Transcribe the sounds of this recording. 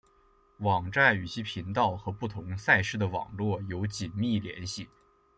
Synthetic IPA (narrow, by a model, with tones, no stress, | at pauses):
wɑ˨˩ŋʈ͡ʂa˥˩ny˨˩t͡ɕʰi˧˥pʰi˧˥nt̪ɑ˥˩ʊxɤ˧˥pu˥˩t̪ʰʊ˧˥ŋsa˥˧ɪʂɻ̩˥˩d̪ə˩wɑ̰˨˩ŋlwɔ˥˩jo˧˥ʊt͡ɕi˨˩nmi˥˩ljɛ̰˧˥nɕi˥˩